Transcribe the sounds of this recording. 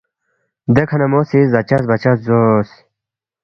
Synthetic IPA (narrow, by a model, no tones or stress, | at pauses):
d̪ekʰɐnɐmosizɐt͡ɕas̬bɐt͡ɕaszos